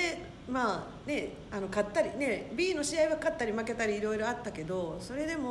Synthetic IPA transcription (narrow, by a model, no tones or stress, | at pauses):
e | maː | ne̞ | ano̞kat̪ːaɾʲine̞bʲiːno̞ɕiaiβakat̪ːaɾʲimake̞t̪aɾʲiːɾo̞iɾo̞at̪ːake̞d̪o̞so̞ɾe̞d̪e̞mo